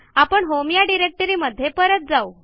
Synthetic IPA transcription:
apəɳɦomjaɖiɾek̚ʈəɾiːməd̪ʱːjepəɾət̪̚d͡zau

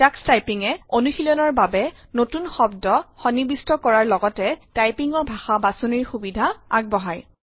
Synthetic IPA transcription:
akstajpiŋɛonuxilɔnɔɹbabɛnotunxɔbdɔxɔnibistɔkɔɹaɹlɔɡɔtɛtajpiŋɔbʱaxabasoniɹxubidʱaa̰ɡ̚bɔɦaj

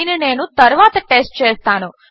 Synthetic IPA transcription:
innenũt̪əɾʋat̪ʈesʈ̚t͡ʃest̪ʰanõ

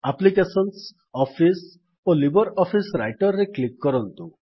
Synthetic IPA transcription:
aplikesɔns | ɔpʰis | olibɔɾɔpʰisɾajʈɔɾːeklikːɔɾɔnt̪ũ

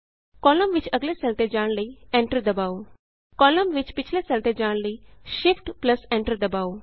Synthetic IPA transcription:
kɔləmʋit͡ʃəɡlesɛlt̪ed͡ʑaːɳliẽɳʈəɾd̪əbaw | kɔləmʋit͡ʃpit͡ɕʰlesɛlt̪ed͡ʑaɳliʃifʈpləsẽɳʈəɾd̪əbaw

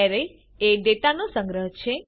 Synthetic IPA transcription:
aɾe | eɖeʈ̪anosə̃ŋɡɾəɦt͡ʃʰe

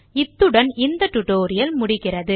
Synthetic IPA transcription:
ɪt̪ːɯɽɐnɪnd̪ɐʈːʊʈoːɾɪjɐlmʊɽɪɣɪrɐðɯ

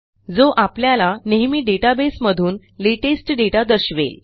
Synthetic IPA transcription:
d͡zoʔapljalaneɦmiːɖeʈabesməd̪ʱuːn | leʈesʈɖeʈad̪əɾɕʋḛl

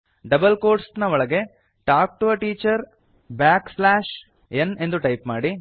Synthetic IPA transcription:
ɖɐbɐlkoːɾʈsnɐʋɔɭɐɡe̞ | ʈaːk̚ʈuɐʈiːt͡ʃɐɾ | baːkslaːʃ | ene̞nd̪uʈɐjpmaːɽi

